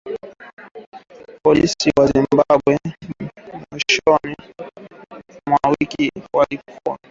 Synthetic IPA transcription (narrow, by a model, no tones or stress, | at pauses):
pɔlisiwazimbaɓwɛ | miʃɔni | mwawikiwalikʰuwa